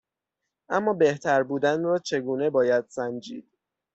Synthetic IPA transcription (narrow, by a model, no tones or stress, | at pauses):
ʔæmːɒːbe̞ht̪ʰæɾbuːd̪ænɾɒːt͡ʃʰe̞ɡuːne̞bɒːjæd̪̥sænd͡ʒiːd̪̥̚